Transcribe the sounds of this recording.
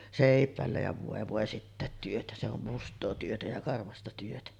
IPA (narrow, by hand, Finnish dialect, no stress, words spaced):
seˑipˑæˑelːæ jɑ ʋoˑe ʋoˑe sitːæˑet tyøtæ se om mustˑoː tyøtæ jɑ kɑrʋɑstɑ tyøtæ